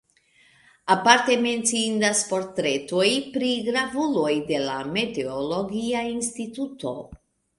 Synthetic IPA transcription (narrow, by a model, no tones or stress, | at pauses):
apaɾte̞me̞nt͡siindaspo̞ɾtɾe̞to̞jpɾiɡɾavulo̞jde̞lame̞te̞olo̞ɡiainstit̪uto̞